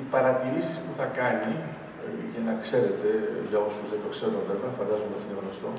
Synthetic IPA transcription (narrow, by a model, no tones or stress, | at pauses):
ipɐɾɐt̪iɾisispuθɐkɐni | ʝɐnɐkse̞ɾe̞t̪e̞ʝɐo̞suzðed̪o̞kse̞ɾoveveɐfɐnd̪ɐzomet̪ineɣnost̪o̞